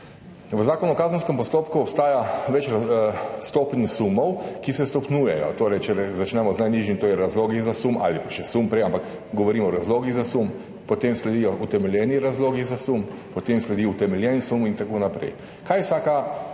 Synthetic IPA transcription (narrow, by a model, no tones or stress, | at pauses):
ʋəzaːkɔnuɔkaːzən̩skɛmpɔst̪oːpkuɔpst̪aːjaʋɛt͡ʃɾst̪oːpnʲsumɔwkisɛst̪ɔpnuːjɛjɔ̰t̪oːɾɛjt͡ʃɛɾɛzat͡ʃnɛmɔznajniʒimt̪oːiɾazloːɡizasuma̰ːlipḁʃɛsumpɾɛjampakɡɔʋɔɾiːmɔɔɾazloːɡizasum | pɔt̪eːmslɛd̪ijɔʔut̪ɛmɛljɛːniɾazloːɡizasumpɔt̪eːmslɛd̪iut̪ɛmɛlʲjɛnsumint̪akoːnapɾɛ̰j | kʰajwsaːka